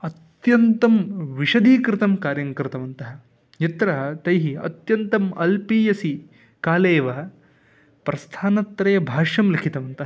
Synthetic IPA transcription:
ɐt̪jɐnt̪ɐmʋiʂɐd̪iːkɾɪt̪ɐmkaːɾjɐŋkɾɪt̪ɐʋɐnt̪ɐɦɐ̆ | jɐt̪ɾɐt̪ɐjɦiɐ̰t̪jɐnt̪ɐmɐ̰lpiːjɐsi | kaːleːʋɐ | pɾɐst̪ʰaːnɐt̪ɾɐjɐbʱaːʂɐmlikʰit̪ɐʋɐnt̪ɐɦɐ

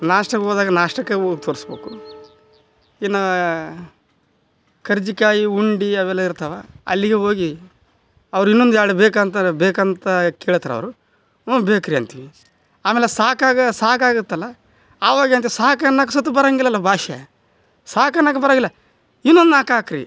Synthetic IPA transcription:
naːʂʈɐkɦoːd̪aːɡɐnaːʂʈɐkːeoɡt̪ʰoːɾisbḛːku | inːɐ | kʰɐɾd͡ʒikaːjiuɳɖiɐʋɛlːɐiɾt̪ɐʋaɐ̰lːiɡeɦo̞ːɡi | ɐʋɐɾuinːond̪ujaːɽebeːkant̪ɐbeːkɐnt̪ɐkeːɭut̪ɐɾɐ̰ʋɐɾu | bekɾiɐnt̪iʋi | aːmeːlesaːkaːɡɐsaːkaːɡut̪ːɐlːɐː | ʋaːɡeɐnt̪iisaːkɐnaːksɐt̪ːubɐɾaːŋɡilːɐlːɐbʱaːʃḛ | saːkɐnaːkːɐbɐɾaːŋɡilːɐ | inːond̪unakaːkɾḭ

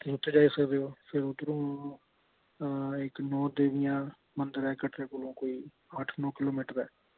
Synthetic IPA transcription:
ʊt̪ːed͡ʒaːiːsəkd̪eːoːpʰɪɾʊd̪ɾõː | ɪknɔːd̪eːʋɪjãː | mənd̪əɾɛːkəʈʰɾeːkolõːkoːiː | aːʈʰnɔːkɪloːmɪːʈəɾɛ̰ː

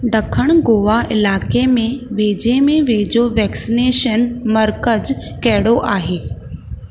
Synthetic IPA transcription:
ɖɐkʰəɽ̃ɡoːʋaʔɪlaːkemẽʋeːd͡ʑemẽʋeːd͡ʑoʋɛːksɪneːʃənmɐɾkəd͡ʑ | kɐɦɪɽoʔaːɦeː

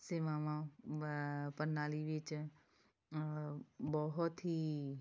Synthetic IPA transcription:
seːmãːʋã | pənːaːliʋɪt͡ʃ | bɔɦʊt̪ɦiː

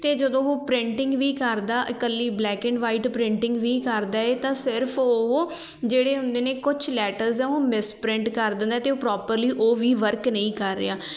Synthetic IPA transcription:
t̪eːd͡ʒəd̪õːɦoːpɾɪ̃ɳʈɪ̃ŋɡʋiːkəɾd̪aːʔəkəlːiːblɛːkɛ̃ɳɖʋaːiːʈpɾɪ̃ɳʈɪ̃ŋɡʋiːkəɾd̪aːeːt̪ãːsɪɾpʰoɦoː | d͡ʒeːɽeːɦʊ̃nd̪eːneːkʊt͡ʃʰlɛːʈəɾzɛ̃ːoːmɪspɾɪ̃ɳʈkəɾd̪ə̃nd̪aːt̪eːoːpɾɔːpəɾliːʔoːʋiːʋəɾknəĩːkəɾːḛːaː

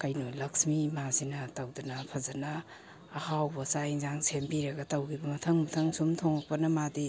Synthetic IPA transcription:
kɐjnolɐksmimazinɐtɐwdɐnɐpʰɐzɐnɐː | hawbɐsaiŋzaŋsʰembiɾɐɡɐtɐwɡibɐmɐtʰɐŋmɐtʰɐŋsumtʰoŋɐk̚pɐnɐmadi

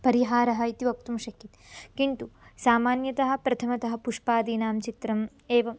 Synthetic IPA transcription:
pɐɾiɦaːɾɐɦɐit̪iʋɐk̚t̪umʃɐkːit̪kiɳt̪usaːmaːnjɐt̪ɐɦɐ̆pɾɐt̪ʰɐmɐt̪ɐɦɐ̆puʂpaːd̪iːnaːmt͡ʃit̪ɾɐm | eːʋɐm

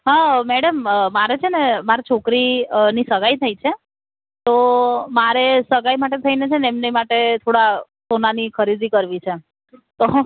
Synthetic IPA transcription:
ɦãmɛɽəmmaɾet͡ʃʰenemaɾit͡ʃʰokɾinisəɡajt̪ʰait͡ʃʰe | t̪omaɾesəɡajmaʈet̪ʰəinet͡ʃʰenemnemaʈet̪ʰoɽasonanikʰəɾid̪ikəɾʋit͡ʃʰe | t̪o

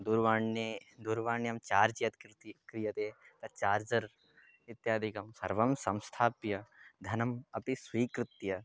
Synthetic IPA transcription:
d̪uɾʋaːɳed̪uɾʋaːɳjɐmt͡ʃaːɾd͡ʒjɐt̪kɾt̪kɾijɐt̪eːt̪ɐt͡ʃaːɾd͡ʒɐɾ | it̪jaːd̪ʱikɐmsɐ̰ɾʋɐmsɐ̃mst̪ʰaːpjɐd̪ʱɐnɐmɐpisʋiːkɾɪt̪jɐ

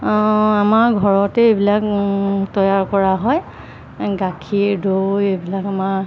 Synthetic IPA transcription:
amaɹɡʱɔɹɔtɛejbilaktɔjaɹkɔɹaɦɔj | ɡakʰiɹdojejbilakamaɹ

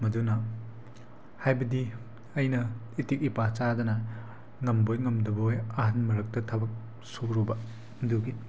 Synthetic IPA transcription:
mɐdunɐ | hajbɐdi | ɐjnɐ | itik̚ipat͡ʃadɐnɐ | ŋɐmbojŋɐmdɐbojɐɦanmɐɾɐk̚tɐtʰɐbɐk̚ | suɾubɐ | mduɡi

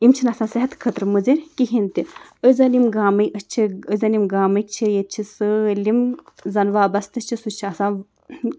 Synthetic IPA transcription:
imt͡ʃʰinɐsãːsɐɦɐt̪kʰət̪ɾmɨziɾʲkiɦint̪i | əzɐlimɡaːmɐjʔəst͡ʃʰiəzɐlimɡaːmɐik̚t͡ʃʰijet̪̚t͡ʃʰisəlimzɐnʋaːbɐst̪ɨt͡ʃʰisut͡ʃʰiɐsãː

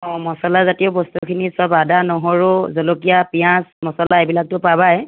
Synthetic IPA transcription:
ɔ̃mɔsɔlazatiobɔstukʰinisɔbadanɔɦoɹʊzolokijapijãsmɔsɔlaebilak̚tʊpabaj

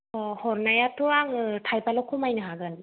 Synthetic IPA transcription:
hɔɾnajatʰɔaŋɯtʰajpalɔkʰɔmajnɯɦaɡɯn

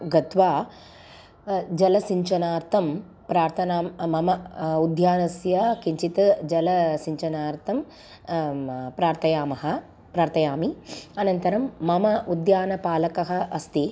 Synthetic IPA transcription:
ɡɐt̪ʋaː | d͡ʒɐlɐsiɲt͡ʃɐnaːɾt̪ʰɐm | pɾaːɾt̪ʰɐnaːmmɐmɐud̪ʱjaːnɐsjɐkiɲt͡ʃit̪ɐd͡ʒɐlɐsiɲt͡ʃɐnaːɾt̪ʰɐm | pɾaːɾt̪ʰɐjaːmɐɦɐ̆ | pɾaːɾt̪ɐjaːmiɐnɐnt̪ɐɾɐmːɐmɐʔud̪jaːnɐpaːlɐkɐɦɐ̆ʔɐst̪i

